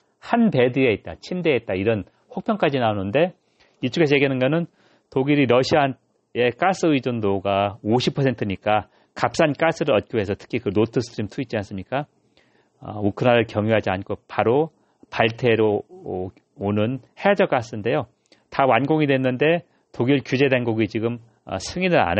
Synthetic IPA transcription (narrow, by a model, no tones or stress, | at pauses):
hanpe̞dɯe̞it̚t͈a̰t͡ɕʰimdeit̚t͈aiɾʌn | ɸok̚pʰjʌŋk͈ad͡ʑinaonɯnde̞ | it͡ɕ͈ʰuɡes̬ʰeɡinɯnɡʌnɯn | toɡiɾiɾʌɕʰia | e̞k͈as͈ɯid͡ʑondoɡaoɕʰipʰʌsʰe̞ntʰɯɲik͈a | kap̚s͈ank͈as͈ɯɾɯɾʌt̚k͈joɦe̞sʰʌtʰɯ̥kʰikɯnotʰɯsʰɯtʰɯɾimtʰuit͡ɕ͈ians͈ɯmɲik͈a | ʌ̰ukʰɯnaɾɯɭkjʌŋjuɦad͡ʑiankʰopaɾo | paɭtʰe̞ɾo | onɯnhead͡ʑʌk͈as͈ɯnde̞jo | tawanɡoŋidwe̞nːɯnde̞ | toɡiɭkjud͡ʑe̞denɡoɡit͡ɕiɡɯm | ʌ̰sʰɯŋinɯɾa̰ne